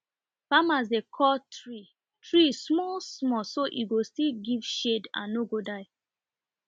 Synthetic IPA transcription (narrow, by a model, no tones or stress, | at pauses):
famaz̬dekʰɔltɹi | tɹismɔlsmɔsoʔiɡostiɡivʃedã̰nːoɡodaɪ